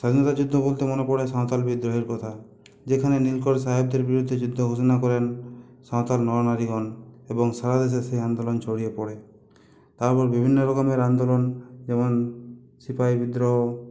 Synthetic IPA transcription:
ʃad̪ʱinɔt̪ad͡ʒud̪ʱːɔbolt̪emonepɔɽesãwt̪albid̪ɾɔɦeɾkɔt̪ʰa | d͡ʒekʰanenilkɔɽsaɦeb̚d̪eɾbiɾud̪ʱːed͡ʒud̪ʱːɔɡʱusɔnakɔɾen | sãwt̪alnɔɔnaɾiɡɔnebɔŋsaɾad̪eʃ̬esejand̪olɔnt͡ʃʰoɽiepɔɽe | t̪aɾpɔɾbibʱinːɔɾokameɾand̪olɔnd͡ʒemɔn | sipajbid̪ɾɔ

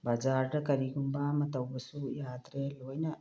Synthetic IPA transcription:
bad͡ʒaːɾʈɐkɐɾiɡumbaːmɐt̪ɐwbɐsujaːt̪ɾeloːjnɐ

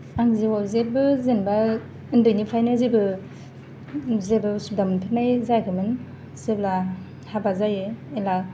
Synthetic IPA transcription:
aŋziwawzebɯzenba | ɯndɯjnipʰajnɯzebɯ | zebɯsup̚damɯnpʰɯnajzajkʰɯmɯn | sɯbla | habazajɯela

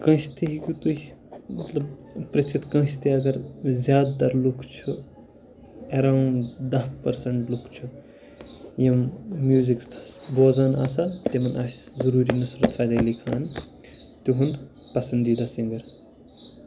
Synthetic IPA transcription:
kɐ̃st̪iɦiɡut̪uimɐt̪lɐbpɾɐt͡ʃʰit̪kɐ̃ːst̪iɐɡɐɾzʲjaːd̪t̪ɐɾlukʰt͡ʃʰu | eɾawɳd̪ɐhpɐɾsɐɳʈlukʰt͡ʃʰu | jɐmmjuːziksʰboːd͡zana̰ːsat̪emɐnaszɐɾuːɾinɐsɾɐt̪ʰɾaːd̪ɐlikʰa̰ːn | t̪uɦund̪pɐsɐnd̪id̪aːsɐŋɡɐɾ

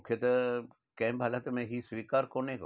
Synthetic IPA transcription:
kʰjet̪ɐ | kɛ̃mbʱaːlat̪mẽɦisʋiːkaːɾkoːnẽk

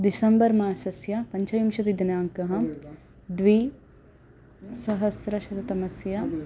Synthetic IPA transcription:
d̪isɐmbɐɾmaːsɐsjɐpɐɲt͡ʃɐjimʃɐt̪id̪ɐnaːŋkɐɦɐ̆ | d̪ʋi | sɐɦɐsɾɐʃɐt̪ɐt̪ɐmɐsjɐ

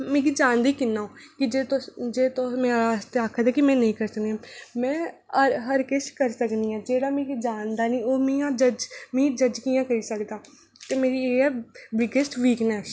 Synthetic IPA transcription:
mẽːɡid͡ʒaːnd̪iːkɪnːaːõːkɪd͡ʒeːt̪od͡ʒeːt̪omɛ̃ːɾaːzt̪eːaːkʰːd̪aːkɪmɛ̃ːnəĩːkəɾsəkniɛ̃ːmɛ̃ːəɦəɾkɪʃkəɾsəkniːɛːd͡ʒeːɽaːmẽːɡid͡ʒaːnd̪aːnĩːoːmiːãːd͡ʒəd͡ʒmĩːd͡ʒəd͡ʒkijãːkəɾiːsəkd̪aː | t̪eːmeːɾiːɛːbɪɡəsʈʋiːknɛs

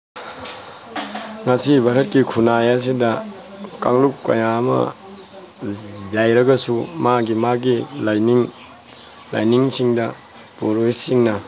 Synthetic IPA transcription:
ŋɐsibʱɐɾɐt̚kikʰunajas̬idɐ | kaŋlupkːɐ̰jamɐ̰ | jajɾɐɡɐsumaɡimaɡilajniŋ | la̰jniŋsiŋdɐ | poɾoisiŋnɐ

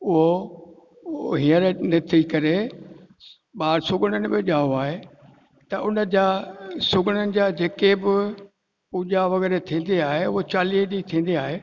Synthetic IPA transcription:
ʊɦo | ɦĩːəɾnɪt̪ʰikɐɾe | ɓaːɾsʊɡʱəɽ̃ənɪ̆bɪʄaːoaːɦe | t̪ɐʔʊnə̆d͡ʑasʊɡʱɪɽ̃ənɪ̆d͡ʑaːd͡ʑeːkebɪ | ʊʄaʋɐɣɛːɾet̪ʰĩːn̆d̪eaːɦeʊɦot͡ɕaːliːɦd͡ʑit̪ʰĩːn̆d̪iaːɦeː

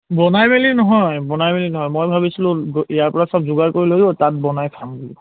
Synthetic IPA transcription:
bɔnajmelinɔɦɔjbɔnajmelinɔɦɔjmojbʱabisilʊ̃ijaɹpɔɹasap̚zuɡaɹkoɹilojdotat̚bɔnajkʰambuli

